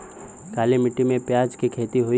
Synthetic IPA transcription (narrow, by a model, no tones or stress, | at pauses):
kaːlemɪʈːimẽpjaːd͡ʒkikʰeːt̪iɦoi